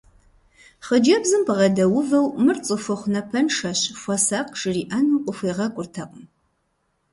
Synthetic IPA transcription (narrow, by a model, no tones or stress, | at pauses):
χəd͡ʒɐbzɨmpʰʁɐdɐwʊvɐwmɨrt͡sʼɨfɨχʷnɐpʰɐnʂɐɕfʷɔsaːqʼʂɨriːʔɐnɨqʷʼʊfʷeːʁɐkʷʼʊrtʰɐqʼm